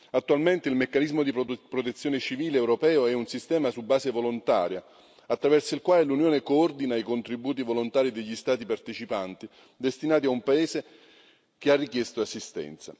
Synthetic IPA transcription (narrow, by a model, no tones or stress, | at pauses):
at̪ːualment̪eilmekːanizmod̪ipɾot̪et̪sːjoːnet͡ʃiviːleːwɾopɛːoɛunsist̪ɛːmasubːaːsevolont̪a̰ːɾja | at̪ːɾavɛrsoilkwaːlelunjoːnekoɔrd̪inaikont̪ɾibuːt̪̬ivolont̪aːɾid̪eʎːist̪aːt̪ipart̪et͡ʃipant̪i | d̪est̪inaːt̪̬iaumpaeːse | kearːikjɛst̪oasːist̪ɛ̰nt̪sa̰